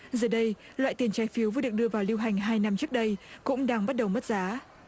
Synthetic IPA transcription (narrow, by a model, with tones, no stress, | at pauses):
zəː˨˩jɗə˧j | lwa̰ː˧˨jt̪i˨˩ənt͡ɕaː˨˦jfi˨˦wvɨ̰˧˥˦ɨ˨˩k̚ɗɨ˧əvaː˨˩wli˧wɦa˨˩jŋ̟ɦaː˧jna˧mt͡ɕɨ˦˥ək̚ɗə˧jkʊ̰˧˥ŋ͡mɗaː˧ŋɓa˦˥t̚ɗə˨˩wmə˦˥t̚zaː˨˦